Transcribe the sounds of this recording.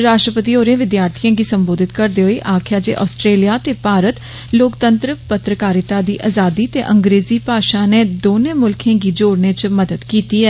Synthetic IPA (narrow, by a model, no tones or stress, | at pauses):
ɾaːʃʈɾəpət̪iːɦoːɾeãːʋɪd̪jaːɾt̪ʰijãːɡiːsəmboːd̪ɪt̪kəɾd̪eːɦoeːʔaːkʰjaːd͡ʒḛːʔɔːsʈɾeːlijaːt̪eːpaːɾət̪ | loːkt̪ə̃nt̪ɾəpət̪ɾəkaːɾɪt̪aːd̪iːʔaːzaːd̪iːt̪eːʔə̃ŋɡɾeːziːpaːʃãːneːd̪oːnẽːmʊlkʰẽːɡiːd͡ʒoːɽneːt͡ʃməd̪əd̪kiːt̪iːɛː